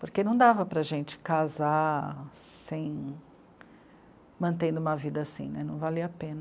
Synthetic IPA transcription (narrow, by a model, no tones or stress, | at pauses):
poɾkenɐ̃w̃d̪avɐpɾɐʒẽnt͡ʃɪ̥kaza | sẽj̃ | mɐ̃nt̪ẽd̪ʊũmɐvid̪ɐasḭ̃nɛnɐ̃w̃valiɐapẽnɐ